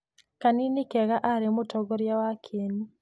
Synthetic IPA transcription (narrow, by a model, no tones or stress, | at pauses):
kaninikɛɣaʔaɾemotɔɡɔɾjawakʰeni